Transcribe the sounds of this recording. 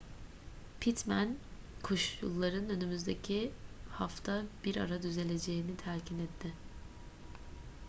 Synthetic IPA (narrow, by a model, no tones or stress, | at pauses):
pʰit̪mæn | kʰoʃjṵlˠːaɾɯnø̞nymyzd̪e̞cʰihaft̪ʰabiɾa̰ɾad̪yze̞lʲe̞d͡ʒe̞jinit̪ʰæɾcinɛt̪ʰːɪ